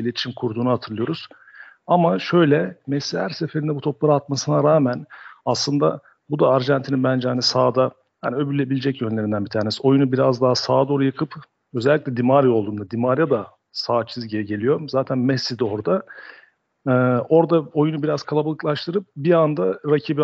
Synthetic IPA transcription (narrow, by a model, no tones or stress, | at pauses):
ilʲet̪ʰi̥ʃimkʰuɾd̪uːnuhat̪ʰɯɾlˠɯjo̞ɾuz̥ | amaʃø̞jlʲɛmɛsːihæɾse̞fe̞ɾind̪ɛbut̪ʰo̞plˠaɾɯat̪masɯnaɾaːmænaslˠɯnd̪a | bud̪aːɾʒænt̪ʰininbænd͡ʒɛhanisaːd̪a | haniø̞bylʲːe̞bilʲed͡ʒɛcjønlʲe̞ɾind̪ænbit̪ʰaːɾnesio̞junubiɾazd̪aɦasaːd̪o̞ɾujakʰɯp | ø̞zɛlʲːiclʲɛd̪imaɾjolˠd̪uːmd̪ad̪imaɾjad̪a | saːt͡ʃʰizɟɟe̞lʲijo̞ɾumzaːt̪ʰænmɛsːid̪io̞ɾd̪a | o̞ɾd̪ao̞junubiɾaz̥kʰalˠabalˠɯklˠaʃt̪ʰɯɾɯp̚biand̪aɾacʰiːbi